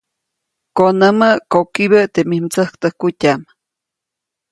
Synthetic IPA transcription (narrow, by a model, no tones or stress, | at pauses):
konəməʔkokiβəʔt̪emihmt͡səhkt̪əhkutʲam